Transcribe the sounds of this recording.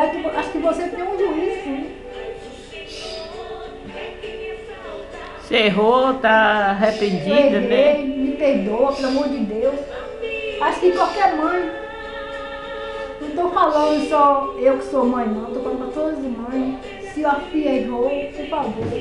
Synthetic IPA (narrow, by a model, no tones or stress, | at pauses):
aʃkɪʔaʃʊ̥kɪvoset̪ẽj̃ũd͡ʒiisĩ | seɦot̪aaɦepẽd͡ʒied̪ɐeẽmɪpeɾd̪oɐpelamoɾd͡ʒɪd̪ews | aʃʊ̥kɪkawkɛɾmɐ̃j̃ | nɐ̃w̃t̪owfalɐ̃d̪ʊsɔewkɪ̥soɐmɐ̃j̃nɐ̃t̪owfaɐlɐ̃d̪d̪ʊt̪od̪ɐzimɐ̃j̃ | siafieɦowpofavoɾ